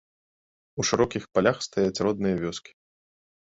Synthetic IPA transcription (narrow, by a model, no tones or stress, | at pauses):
uʂɨɾɔkʲixpalʲaxst̪ajat͡sʲrɔd̪nɨjɐvʲɔskʲi̥